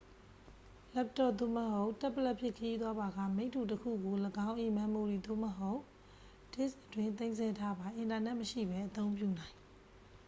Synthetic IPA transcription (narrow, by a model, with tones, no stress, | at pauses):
lɛ˦p̚tɔ˨d̪o̰˦˨məɦo˦ʊ˨ʔtɛ˦ʔpːə˨lɛ˦ʔpʰjɪ˦˨kʰəji˦t̪wa˦ba˨ɡa̰˦˨mẽ˦ɪ̃tʰːu˨təkʰṵ˦˨ɡo˨ləɡã˦ʊ̃ʔi˨mã˨mo˨d̪i˨d̪o̰˦˨məɦo˦ʊ˨ʔ | d̥ɪ˦˨sətwɪ̃˦nt̪̬ẽ˦ɪ̃nsɛ˦tʰa˦ba˨ʔɪ̃˨nta˨nɛ˦ʔməʃḭ˦˨bɛ˦ʔət̪õ˦ʊ̃mp̬jṵ˦˨nã˨ɪ̃